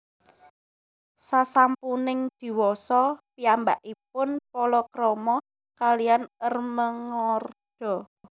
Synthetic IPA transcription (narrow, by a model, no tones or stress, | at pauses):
sasampunɪŋd̪̥i̤wɔsɔpiambaʔip̚ʊnpɔlɔkɾɔmɔ | kalianərməŋɔrd̥ɔ̤